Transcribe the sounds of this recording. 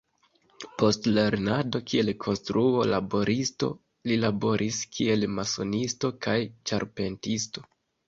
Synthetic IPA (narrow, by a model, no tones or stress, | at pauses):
po̞stleɾnado̞kʰie̞lkʰo̞nstɾuo̞labo̞ɾʔisto̞̰ | lilabo̞ɾʔiskʰie̞lmaso̞̰nisto̞kajt͡ʃaɾpe̞ntisto̞̥